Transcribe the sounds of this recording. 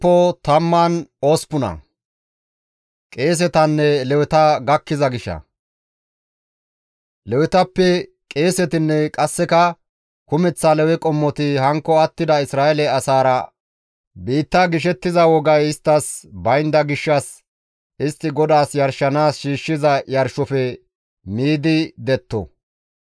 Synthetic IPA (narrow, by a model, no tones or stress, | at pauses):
pːɔt̪ɐmːɐnoːspʊnɐ̰ | kʼe̞ːs̬ɛt̪ɐnːɛlɛwɛt̪ɐɡɐkːɪzɐɡɪʃːɐ̰ | lɛwɪt̪ɐpːɛ | kʼe̞ːsɛt̪ɪnːɛkʼɐsːɛkɐ | kʊmɛt͡sːɐlɛwɛkʼɔmːɔt̪ɪhɐŋkːɔɐt̪ːɪd̪ɐɪsɾaːɛlɛɐsaːɾɐ | biːt̪ːaɡɪʃ̬ɛt̪ːɪzɐwɔɡɐjɪst̪ːɐsbɐjnd̪ɐɡɪʃːɐs | ɪst̪ːɪɡɔd̪aːsjɐɾʃːɐnaːsʃiːʃːɪzɐjɐɾʃɔfɛ | miːd̪ɪd̪ɛt̪ːɔ̰